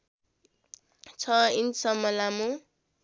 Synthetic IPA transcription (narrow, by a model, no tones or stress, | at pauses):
t͡sʰʌinsʌmʌlamu